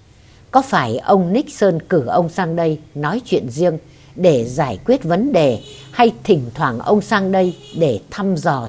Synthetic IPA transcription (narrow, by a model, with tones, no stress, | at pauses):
kɔ˨˦faː˧˩jʔə˧wŋ͡mni˦˥k̚səː˧nkɨ˧˩ʔə˧wŋ͡msaː˧ŋɗə˧jnɔ˨˦jt͡ɕwḭ˧˨ənzi˧əŋ | ɗe˧˩zaː˧˩jkwi˦˥ət̚və˨˦nɗe˨˩ha˧jt̪ʰï˨˩ŋ̟t̪ʰwaː˧˩ŋʔə˧wŋ͡msaː˧ŋɗə˧jɗe˧˩t̪ʰa˧mzɔ˨˩